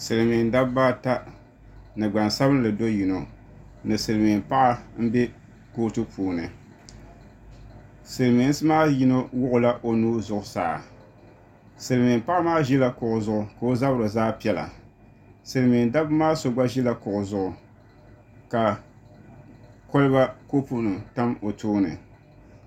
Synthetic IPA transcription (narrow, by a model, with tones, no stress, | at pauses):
sɨ˨lɨ˨mi˨nda˦bba˦ta˦ | nɨ˨ɡ͡ba˨nsa˦bɨ˦n˦lɨ˨do˦ji˨no˨ | nɨ˨sɨ˨ɾɨ˨mi˨m˨pa˦ʔa˦m̩˦bɛ˦ | ko˦tɨ˦pʰuː˨nɨ˨ | sɨ˨ɾmi˨˦n˦sɨ˦maː˦ji˦no˦wʊ˦ʔʊ˨la˦ʔo˦nuː˦zʊ˨ʔʊ˨sa̰ː˨a̰˨ | sɨ˨lɨ˨mɪ˨mpa˦ʔa˦maː˦ʒi˦la˦kʊ˨ʔʊ˨zʊ˦ʔʊ˨ka˨o˦za˦bɨ˦ɾɨ˨zaː˦pi˦ɛ˦la̰˨ | sɨ˨lɨ˨mi˨nda˦bmaː˦so˨ɡ͡ba˦ʒi˦la˦kʊ˨ʔʊ˨zʊ˦ʔʊ˨ | ka˨ | ko˦lɨ˦ba˦ko˦pu˦nɨ˨mta˦mo˨tʰuː˦nɨ˨